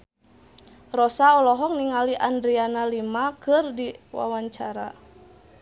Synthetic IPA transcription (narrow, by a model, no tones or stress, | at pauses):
rɔsaɔlɔɦɔŋniŋaliʔandɾianalimakɨrdiwa̰waɲt͡ʃaɾa